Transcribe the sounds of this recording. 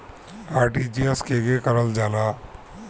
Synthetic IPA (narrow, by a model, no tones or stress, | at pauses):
aːɾʈid͡ʒiəskeɡekəɾəld͡ʒala